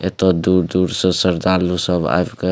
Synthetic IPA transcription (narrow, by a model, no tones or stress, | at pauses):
et̪ɔd̪uɾd̪uːɾsəsəɾd̪alusəba̰bke